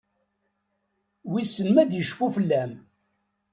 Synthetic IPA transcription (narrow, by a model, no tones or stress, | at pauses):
wisːənmæd̪jəʃfufəlːæm